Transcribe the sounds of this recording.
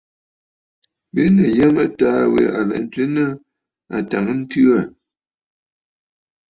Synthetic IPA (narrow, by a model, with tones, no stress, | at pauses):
be˦nə˨jɛ˦mə˦taː˦wḛ˨a˨lɛ̰˨ʔn˦t͡si˦nə˦ | a̰˨ta˨ŋə˦n̩˦tʉ˦a˨